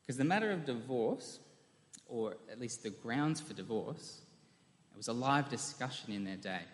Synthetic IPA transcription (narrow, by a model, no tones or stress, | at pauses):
kʰʌzðɨmæɾə˞ʌvdɨvɔɹs | ə˞ɨtˡlist̪̚ðɨɡɹãʊ̃ndz̥fə˞dɨvɔ̰ɹs̚ | wʌzəlaɪvdɨskʌʃɨ̃nɨ̃nðə˞deɪ